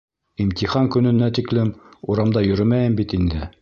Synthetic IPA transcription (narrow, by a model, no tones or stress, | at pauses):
imt̪iχɑŋkɵ̆nɵ̆næt̪iklɘmuɾɑmd̪ɑjɵ̆ɾɘmæjɘmbit̪ind̪ɘ